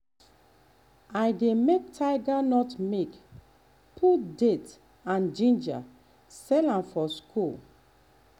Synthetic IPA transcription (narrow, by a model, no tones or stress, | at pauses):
ajdemek̚tʰaɪɡanɔtmek | pʰudet | ãnd͡ʒĩnd͡ʒa̰ | sɛlãmfɔskʰul